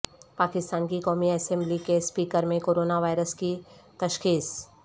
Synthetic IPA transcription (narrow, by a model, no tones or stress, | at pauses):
paːkɪst̪aːnkikɔːmiɛsɛ̃mblikespiːkəɾmẽkoːɾoːnaʋaːɪɾəskit̪ɐʃxiːs